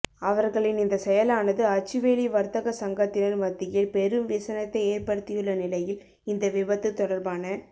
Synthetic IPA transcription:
ɐʋɐɾɣɐɭɪnɪnd̪ɐsɛjɐlaːnɐðɯɐt͡ʃːɯʋeːliʋɐɾt̪ɐɣɐsɐŋɡɐt̪ːɪnɐnʋɐt̪ːɪjɪlpɛɾɯmʋɪsɐnɐt̪ːɐɪeːɾpɐɽɯt̪ːɪjɯɭːɐnɪlɐjɪl | ɪnd̪ɐʋɪbɐt̪ːɯt̪ːɔɽɐɾbaːnɐ

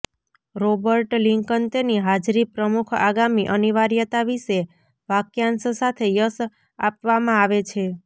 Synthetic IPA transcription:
ɾobəɾʈliŋkənt̪eniɦad͡ʒɾipɾəmukʰaɡamiʔəniʋaɾjət̪aʋise | ʋakjanssat̪ʰejəs | a̰pʋamãaʋet͡ʃʰe

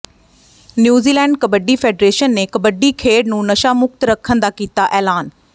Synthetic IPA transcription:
njuːziːlɛ̃ːɳɖ̚kəbəɖiːpʰeːɖɾeːʃənːeːkəbəɖːiːkʰeːɽnũːnəʃaːmʊk̚t̪ɾəkʰːənd̪aːkiːt̪aːʔɛːlaːn

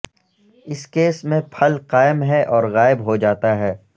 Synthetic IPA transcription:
ɪskeːsmẽpʰɐlqaːɪmɦɛʔɔːɾɣaːɪbɦod͡ʒaːt̪aɦɛː

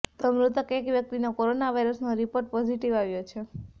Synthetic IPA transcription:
t̪ɔmɾut̪əkekʋjək̚t̪inokoɾonaʋajɾəsnoɾipoɾʈ̚pɔziʈiʋaʋjot͡ʃʰe

